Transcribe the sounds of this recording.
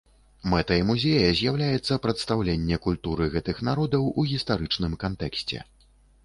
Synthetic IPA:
mɛt̪ɐimuzʲejɐzʲjawlʲajɛt̪sːɐpɾɐt̪st̪awlʲenʲːɛkulʲt̪uɾɨɣɛt̪ɨxnaɾɔd̪ɐwuɣʲist̪aɾɨt͡ʂnɨmkant̪ɛksʲt͡sʲɛ̰

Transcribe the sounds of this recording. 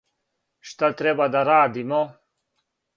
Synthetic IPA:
ʂt̪ɐt̪ɾebad̪aɾaːd̪imo

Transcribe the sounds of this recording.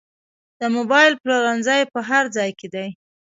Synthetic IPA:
d̪̥əmobɑjɪlploɾanzajpəɦaɾd͡zɑjked̪aj

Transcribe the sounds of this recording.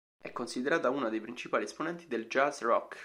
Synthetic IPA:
ɛkːonsid̪eɾaːt̪auːnad̪ejpɾint͡ʃipaːliɛsponɛnt̪id̪eld͡ʒazrɔkː

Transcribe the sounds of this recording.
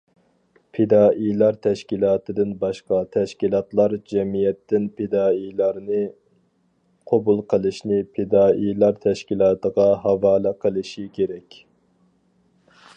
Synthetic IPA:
pʰed̪ɑːʔijlˠɑɾt̪ʰɛʃkʲilˠɑːt̪ʰɨd̪ɨnbɑʃqɑt̪ʰɛʃkʲilˠɑt̪lˠɑɾd͡ʒɛmijɛt̪ːɪnpʰed̪ɑːijlˠɑɾnɨ | qʰobulˠqʰəlˠɨʃnɪpʰed̪ɑːʔijlˠɑɾt̪ʰɛʃkʲilˠɑːt̪əʁɑɦɑvɑːlæqʰəlˠɨʃikʲʰeɾɛkʲ

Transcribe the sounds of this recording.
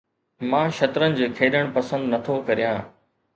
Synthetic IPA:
mãːʃɐt̪ɾənɪ̆d͡ʑokʰeːɗəɽ̃pɐsə̃nd̪nɐt̪ʰokɐɾijãː

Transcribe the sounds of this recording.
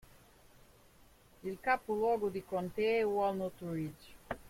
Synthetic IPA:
ilkapulwɔɡud̪ikont̪ewalˠnot̪uɾid͡ʒ

